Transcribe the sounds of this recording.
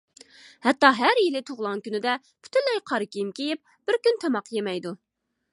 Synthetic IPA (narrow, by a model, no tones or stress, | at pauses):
hɛt̪ːɑɦæɾjilɪt̪ʰoʁlˠɑŋkʲynɪd̪ɛ | pʰy̥t̪ʰylːɛjqʰɑɾɨkʲijimkʲejip̚ | b̥ɪɾkʲynt̪ʰɛmɑqjemɛjd̪u